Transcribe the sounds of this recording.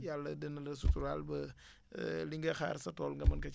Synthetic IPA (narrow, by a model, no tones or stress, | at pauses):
jalːɐdənɐlɐs̬utuɾalbɐ | liŋɡɐxa̰ːɾsɐtolŋɡɐmɐnkɐ